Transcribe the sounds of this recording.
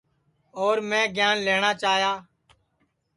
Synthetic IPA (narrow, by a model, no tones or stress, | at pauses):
oːɾmẽːɡɪjaːnleːɳaːt͡ʃaːɦjaː